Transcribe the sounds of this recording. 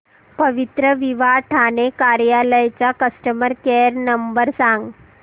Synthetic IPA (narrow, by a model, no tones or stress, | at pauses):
pəʋit̪ɾəʋiʋaʈʰanekaɾjaləjt͡ɕjakəsʈəməɾkeəɾnəmbəɾsãŋɡ